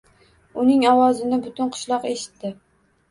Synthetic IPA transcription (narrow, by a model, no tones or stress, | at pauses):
ʊnɪŋɒwɒzɪnɪbʊt̪ʰʊnqʰʊ̥ʃlˠɒqeʃɪ̥t̪ːɪ